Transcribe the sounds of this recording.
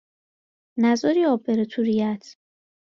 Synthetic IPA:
næzɒɾiːɒːbeɾet̪ʰuɾijæt̪ʰ

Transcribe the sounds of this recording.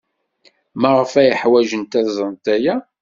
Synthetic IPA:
məʁəfæjəħwæʒənt̪æzˤənt̪æjæ

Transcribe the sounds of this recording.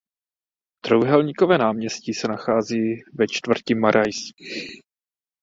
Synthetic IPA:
d̪̥ɾowɦɛlɲikovɛːnaːmɲɛscɪsɛnaxaːziːvɛt͡ʃt̪vr̩cɪmaɾʔajs

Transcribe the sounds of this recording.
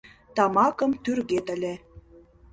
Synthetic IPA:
t̪ɑmɑkə̆mt̪yrɣet̪ə̆lʲĕ

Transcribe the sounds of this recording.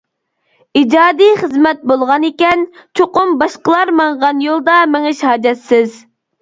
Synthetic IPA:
id͡ʒɑːd̪ijχəzmɛt̪̚bolˠʁɑnekʲɛnt͡ʃʰoqʊmbɑʃqəlˠɑɾmɑɴʁɑnjolˠd̪ɑmɪŋɪʃhɑːd͡ʒɛt̪sɪz

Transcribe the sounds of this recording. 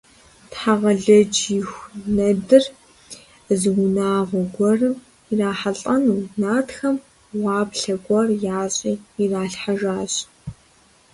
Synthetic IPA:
tħaʁɐɮɐd͡ʒixʷnɐdɨr | zɨwʊnaːʁʷɔɡʷɔrɨm | iraːħaɬʼɐnuːnaːtxɐm | waːbɬɐɡʷɐrjaːɕʼiːiraːɬħaʒaːɕʼ

